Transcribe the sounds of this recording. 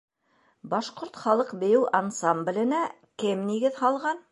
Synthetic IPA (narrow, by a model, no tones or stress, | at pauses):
bɑʃqoɾt̪χɑlˠɤqbɘ̆jɘwʔansɑmblʲɘ̆næ | kɘmniɡɘðhɑlˠʁɑn